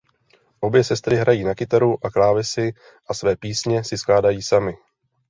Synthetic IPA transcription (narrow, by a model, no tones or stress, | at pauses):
ʔo̞bjɛsɛst̪ɾɪɦɾajiːnakɪt̪aɾuʔaklaːvɪsɪ | ʔasvɛːpiːsɲɛsɪsklaːdajiːsamɪ